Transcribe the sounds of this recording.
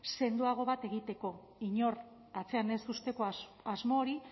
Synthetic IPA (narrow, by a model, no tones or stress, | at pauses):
se̞nd̪uaɣ̞o̞βat̪e̞ɣ̞it̪e̞ko̞ | iɲo̞r | at͡se̞ane̞st̪ust̪e̞ko | azmo̞ːɾi